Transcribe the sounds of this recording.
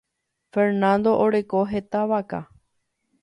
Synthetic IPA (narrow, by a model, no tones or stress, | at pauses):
feɾnãnd̪o̞ʔoɾe̞koɦet̪aʋaka̰